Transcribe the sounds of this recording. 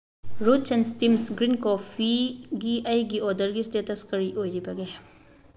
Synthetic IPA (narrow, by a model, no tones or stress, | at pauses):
ɾut͡ʃenstimsɡɾinkopʰiɡiʔɐjɡiodɐɾɡistetɐskɐɾiʔojɾibɐɡe